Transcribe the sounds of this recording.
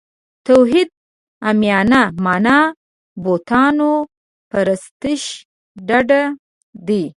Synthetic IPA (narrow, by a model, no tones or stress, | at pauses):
t̪awɦid̪̚ | amjɑnamɑnɑ | bot̪ɑno | paɾɪst̪ɪʃ | ɖaɖa | d̪i